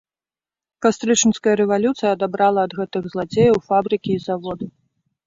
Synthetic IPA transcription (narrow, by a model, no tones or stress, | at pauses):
kast̪ɾɨt͡ʂɨnskɐjɐɾɛvalʲut̪sɨjɐːd̪abɾalˠɐːd̪ɣɛt̪ɨɣzlˠad͡zʲejɐwfabɾɨkʲiːzavɔd̪ɨ